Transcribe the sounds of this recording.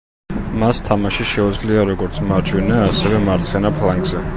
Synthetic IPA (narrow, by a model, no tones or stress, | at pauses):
mast̪ʰamaʃiʃɛud̪zliaɾɔɡɔɾt̪sʰmaɾd͡ʒʰʼwɛnɛːsɛvɛmaɾt̪sʰχɛnapʰlaŋɡzɛ